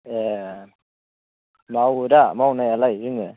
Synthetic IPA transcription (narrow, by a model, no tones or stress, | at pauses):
e | mawdamawnajalajɯŋɯ